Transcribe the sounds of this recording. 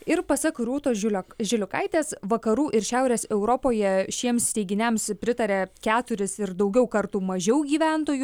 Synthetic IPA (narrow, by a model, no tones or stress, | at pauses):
ɪɾpɐsɐkɾuɔt̪oːlʲʒʲɪlʲʊkɐɪt̪ʲeːsʋɐkɐɾuːʔɪɾʃʲæˑʊɾʲeːsɛʊɾopoːjɛʃʲiɛmsʲt̪ʲɛɪɡʲɪnʲɛmspʲɾʲɪt̪ɐɾʲeːkʲæːt̪ʊɾʲɪsɪɾd̪ɐʊɡʲɛʊkɐɾt̪uːmɐʒʲɛʊɡʲiːʋʲænt̪oːju